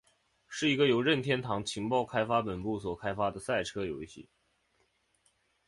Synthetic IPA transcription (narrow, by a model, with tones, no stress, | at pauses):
ʂɻ̩˥˩i˧˥ɡə˧jo˧˥ʊɻə˥˩nt̪ʰjɛ˥nt̪ʰɑ˧˥ŋt͡ɕʰi˧˥ŋpɑ˥˩ʊkʰa˥ɪfa˥pə˨˩npu˥˩swɔ˨˩kʰa˥ɪfa˥d̪ə˨sa˥˩ɪʈ͡ʂʰɤ˥jo˧˥ʊɕḭ˥˩